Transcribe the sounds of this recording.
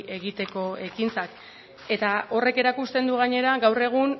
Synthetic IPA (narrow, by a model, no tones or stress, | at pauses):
e̞ɣit̪e̞ko̞e̞kint͡sak | e̞t̪ao̞re̞ke̞ɾakust̪e̞nd̪uɣ̞aɲe̞ɾaɡawre̞ɣ̞un